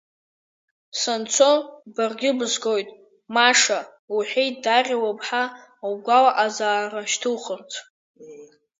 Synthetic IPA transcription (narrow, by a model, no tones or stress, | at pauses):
sant͡sʷʰobarɡʲɪbɨzɡo̞jtʼ | maʂa | uħʷejtʰdarʲawapʰʼħa | wɡʷalaʔazaːraʃtʰɨχərt͡sʰ